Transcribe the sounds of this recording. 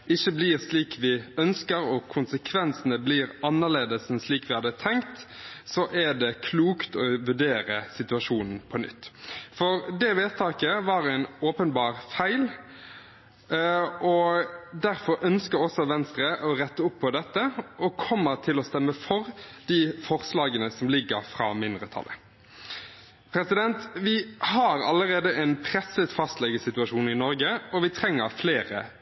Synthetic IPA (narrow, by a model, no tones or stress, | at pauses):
ɪçːəblɪʁsliːkʰʋɪœnskəɾɔkʰʊnsəkʰʋɛnsənəbliɾɑnːəɭeːd̪əsn̩sliːkʋɪhɑd̪ːət̪ʰɛŋkt̪sɔʔæɖ̪ɛkʰluːkt̪ʰɔʋʉɖeːɾəsɪt̪ʉɑʂuːnn̩pʰɔnʏ̰t̪ːfɔɾd̪ɛʋeːt̪t̪ʰɑːkəʋɑːɾæɪnoːpənbɑːʁfæɪl | ʔɔd̪æʁfɔɾœnskəɔsɔʋɛnst̪ɾəʔɔʁɛt̪ːəʊpʰːɔd̪ɛt̪ːəʔɔkʰɔmːəɾt̪ʰɪlɔst̪ɛmːəfɔʁd̪̥ifɔʁslɑːɡənəsɔmlɪɡːəɾfʁɑ̰ːmɪnd̪ʁət̪ʰɑ̰lːə̰ | pʰɾɛsɪd̪ɛnt̪ʋɪhɑɾɑ̰lːəʁeːd̪əʔɛnpʰɾɛsət̪fɑst̪lɛɡəsɪt̪ʉɑʂuːnɪnɔɾɡəɔʋɪt̪ʰɾɛŋːəʁfleːʁə̰